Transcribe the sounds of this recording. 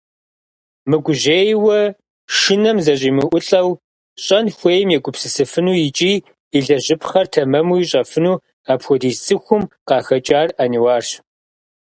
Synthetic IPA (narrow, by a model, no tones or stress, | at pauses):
mɨɡʷʊʑeːjwɐ | ʃɪnɐmzɐɕ̬ʼiːmɨʔʷʊɬʼɐw | ɕʼɐnxʷeːjmjɛkʷʼʊpsɨsɨfɨnuːjɪt͡ʃʼiː | iɮɐʑɪpʰχɐrtʰɐmɐmuːjiɕʼɐfɨnuː | aːpxʷɔdiːssʼɨxʷʊmqɑːxɐt͡ʃʼaːraniwaːrɕ